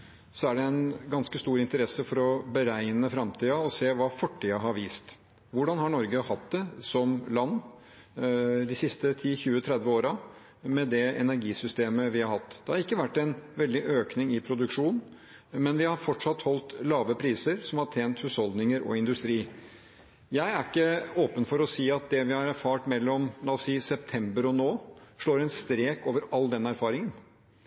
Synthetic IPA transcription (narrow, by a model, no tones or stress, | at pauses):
sɔæɖɛɛnɡɑnskəst̪uːɾɪnt̪əɾɛsːəfɔɾɔbəɾæɪnəfɾɑmt̪ʰiːɑɔseːʋɑːfɔʈʰːiːɑɦɑɾʋiːst̪ | ʋʊɖɑnhɑɳɔɾɡəhɑt̪̚d̪ɛsɔmlɑnː | d̪ɪsɪst̪ət̪ʰiːçʉːət̪ʰɾɛd̪ʋəoːɾɑ | mɛd̪ɛɛnæɾɡiːsʏst̪eːməʋɪhɑɾhɑt̪ːd̪ɛhɑɾɪkːəʋæʈːɛɪnʋɛld̪ɪʔøːknɪŋɪpʰɾʊd̪ʉkʂuːn | mɛnʋɪhɑɾfɔʈʂɑt̪hɔlt̪lɑːʋəpʰɾiːsəɾsɔmhɑʈʰeːnt̪hʉshɔld̪nɪŋəɾɔ̰ɪnd̪ʉst̪ɾiː | jæɪæɾɪkːəoːpənfɔɾɔsiːɑt̪̚d̪ɛʋɪhɑɾæɾfɑːʈmɛlːɔmlɑːsiːsɛp̚t̪ʰɛmbəɾɔnoːʂɭoːɾɛnst̪ɾeːkoːʋəɾɑlːd̪ɛnæɾfɑːɾɪŋən